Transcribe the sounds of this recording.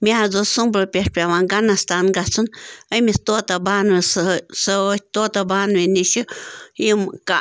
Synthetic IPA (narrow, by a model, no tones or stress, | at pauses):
mʲaad͡zosumbləpjeʂpʲaβaŋɡanãst̪anɡat͡sənəjmist̪ot̪abanisət̪ot̪abanwinĩʃəjəmka